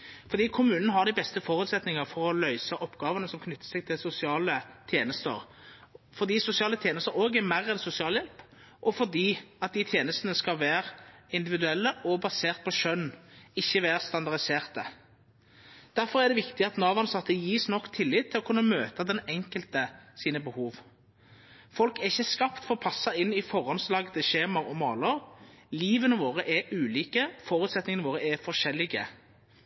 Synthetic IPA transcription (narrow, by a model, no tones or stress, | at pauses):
fɔʁd̪iːkʰʊmʉːnnəhɑɾd̪ɪbɛst̪əfɔʁʉt̪sɛt̪nɪŋəʁfɔʁɔlœʏsɑʔɔpːɡɑːʋənəsɔmkʰnʏt̪ːə̥sɛɡt̪ʰɪlsʊsɪɑːlət̪ʰjeːnəst̪ə̰ʁ | fɔɾd̪iːsʊsɪɑːlət̪ʰjeːnəst̪əɾoːɡɛɾmæʁːɛnsʊsɪɑːljɛlp | ʔɔfɔʁd̪iːɑt̪̚d̪ɪt̪ʰjeːnəst̪ənəskɑʋæːɾɪnd̪ɪʋɪd̪ʉɛlːəʔɔbɑseːʁt̪̚pʰɔʃœnːɪçːəʋæːʁst̪ɑnd̪ɑʁd̪ɪseːʁt̪ə | d̪̥æɾfɔʁæʁd̪ɛʋɪkt̪ɪɑt̪nɑːʋɑnsɑt̪ːəjiːsnɔkːt̪ʰɪlːɪt̪ʰːɪlɔkʰʉnːəmøːt̪ɑd̪ɛnɛŋkəlt̪əsiːnəbəhuːʋ | fɔlkɛʁɪçːəskɑpt̪fɔʁɔpʰɑsːəɪnːɪfɔʁɔnslɑːɡət̪ʰəʃeːmɑʁɔmɑːləʁliːʋənəʋoːʁəʔɛʉːliːkəfɔʁʉt̪sɛt̪nɪŋənʋoːʁəɛfɔʁʃɛlːɪɡə̰